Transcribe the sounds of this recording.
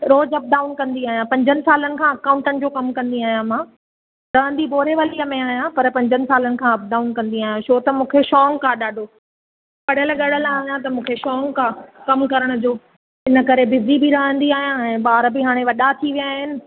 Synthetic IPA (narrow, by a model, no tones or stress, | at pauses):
ɾoːd͡ʑɐp̚ɖaːʊnkɐ̃nd̪iaːɦjãpɐ̃ɲd͡ʑənɪ̆saːlənɪ̆kʰãːɐkaːʊ̃ɳʈənɪ̆d͡ʑoːkɐmkɐ̃nd̪iaːɦijãmãː | ɾɐɦə̃nd̪iboːɾeʋɐliːəmẽaːɦijãpɐɾpɐ̃ɲd͡ʑənɪ̆saːlənɪ̆kʰãɐp̚ɖaːʊnkɐ̃nd̪iaːɦjãʃoːt̪ɐmũːkʰeʃɔːŋkʰãɗaːɖʱoː | pɐɽ̤əlɠɐɽ̤əlaːijãt̪ɐmũːkʰeʃɔːŋkʰãkɐmkɐɾəɽ̃ʊd͡ʑoː | ɪnə̆kɐɾebɪzibɪɾɐɦə̃nd̪iaːɦijãɛ̃ːɓaːɾbɪɦaːɽ̃eʋɐɗat̪ʰiʋijaːɦɪnɪ̆